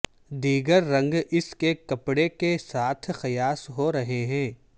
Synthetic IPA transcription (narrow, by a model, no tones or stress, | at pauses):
d̪iːɡəɾːɐ̃ŋɡɪskekɐpɽekesaːt̪ʰxɐjaːsɦoɾɐɦeɦɛ̃ː